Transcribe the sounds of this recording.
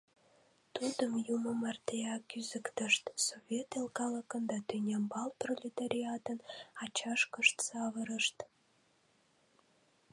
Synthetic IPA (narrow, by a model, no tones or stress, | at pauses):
t̪ud̪əmjuməmɑrt̪eɑkyzəkt̪əʃt̪sovʲet̪elkɑləkənd̪ɑt̪ynʲɑmbɑlprolʲit̪aɾʲiɑt̪ənɑt͡ɕɑʃkəʃt̪sɑβəɾəʃt̪